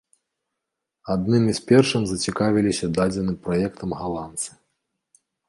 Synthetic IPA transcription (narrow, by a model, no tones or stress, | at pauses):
ad̪nɨmispʲɛrʂɨmzɐt͡sʲikavʲilʲisʲɐd̪ad͡zʲɛnɨpɾajɛkt̪ɐmɣalˠant̪sɨ̥